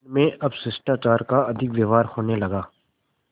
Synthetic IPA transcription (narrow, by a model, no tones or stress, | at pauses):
mẽʔɐbsɪsʈakaːɾkaɐd̪ʱɪkʋeːʋaːɾhoːnelɐɡaː